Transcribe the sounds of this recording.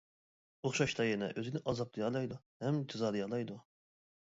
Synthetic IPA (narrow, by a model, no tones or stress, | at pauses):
oχʃɑʃt̪ɑjɛnɛ̰ʔøzɪnɪʔɑzɑplˠɨjɑlˠɑjd̪u | hɛmd͡ʒɨzɑd̪ɨjɑlˠɑjd̪u